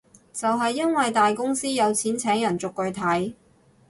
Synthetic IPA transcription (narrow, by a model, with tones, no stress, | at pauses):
t͡sɐ˨wɦɐ˨jːɐ˥nwɐ˨jt̪aː˨jkʊ˥ŋsiː˥jɐ˨˧wt͡sʰiː˨˥nt͡sʰɛː˨˥ŋjɐ˨˩nt͡sʊ˨kːɵ˧ɥt̪ʰɐ˨˥j